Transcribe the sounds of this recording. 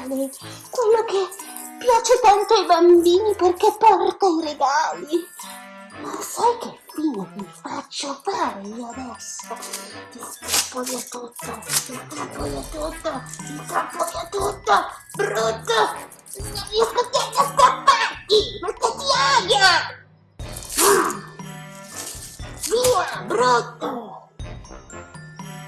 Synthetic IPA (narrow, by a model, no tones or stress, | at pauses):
alɛjkwelːoke | pːjaːt͡ʃet̪ant̪oajbambiːniperkepːɔrt̪aiɾeɡaːli | masajkekinamifat͡ʃːofaːɾeiːoad̪ɛsod̪ikapːoliat̪ut̪ːailkapːoliat̪ut̪ːoikapːoiat̪ut̪ːobɾut̪ːo | ɲavioket̪iajːaskapːat̪ipeket̪iaja | ma | viːabɾut̪ːo